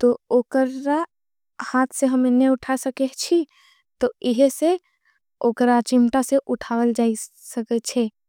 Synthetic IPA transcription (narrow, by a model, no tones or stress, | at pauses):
t̪ooːkəɾa | haːt̪ʰseɦəmeneʊʈʰasəket͡ʃʰi | t̪oɪɦse | oːkəɾat͡ʃɪmʈaseʔʊʈʰaːwəld͡ʒaːi | səkɛt͡ʃʰe